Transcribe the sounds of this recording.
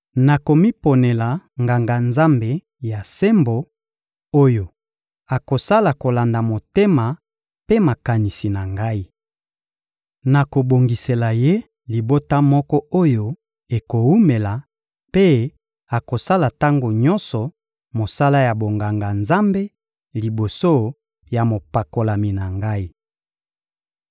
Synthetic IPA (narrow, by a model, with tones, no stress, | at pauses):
na˨ko˨mi˦po˨ne˨la˨ŋɡa˨ŋɡa˨nza˦mbe˨ | ja˨se˦mbo˨ | o˦jo˨ | a˨ko˨sa˦la˨ko˨la˨nda˨mo˨te˦ma˨ | pe˦ma˨ka˨ni˨si˨na˨ŋɡa˦i˦ | na˨ko˨bo˨ŋɡi˨se˨la˨je˦ | li˨bo˦ta˦mɔ˦kɔ˦o˦jo˦ | e˨ko˨u˦me˨la˨ | pe˦ | a˨ko˨sa˦la˨ta˦ŋɡo˨ɲɔ̃˦nsɔ˨ | mo˨sa˦la˦ja˨bo˨ŋɡa˨ŋɡa˨nza˦mbe˦ | li˨bo˨so˦ | ja˨mo˨pa˨ko˨la˨mi˨na˨ŋɡa˦i˦